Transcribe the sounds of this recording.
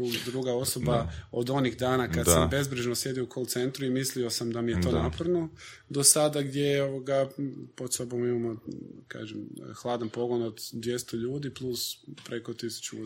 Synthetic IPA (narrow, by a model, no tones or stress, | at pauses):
uɡd̪ɾuɡao̞so̞baod̪o̞niɣd̪aːnakad̪sambe̞zbɾiʒnosje̞d̪ioukʰolt̪se̞nt̪ɾuimislio̞samd̪amijet̪o̞ːnapoɾno̞ | d̪o̞sad̪aɡd̪jejoʋoɡapo̞d̪so̞bo̞mimamo̞ka̰ːʒemxlˠaːd̪anpo̞ɡo̞no̞d̪d̪ʋje̞st̪oʎuːd̪iplˠuspɾe̞ko̞t̪isu̥t͡ɕu